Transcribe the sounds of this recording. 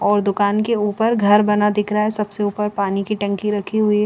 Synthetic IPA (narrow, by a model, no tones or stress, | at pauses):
ɔːɾd̪ʊkaːnkeuːpəɾɡʱɐɾbɐnad̪ɪkʰɾɐɦaɦɛsɐbseuːpəɾpaːnikiʈɐ̃ŋkiɾɐkʰiɦʊi